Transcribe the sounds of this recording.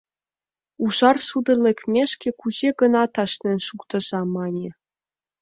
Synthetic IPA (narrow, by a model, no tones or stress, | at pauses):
uʒɑrʃud̪ɤ̆lʲĕkʲmʲeʂkʲĕkuʑeɡɤ̆nɑt̪ɑʃnʲɘ̆nʲʃukt̪ɤ̆zɑmɑnʲĕ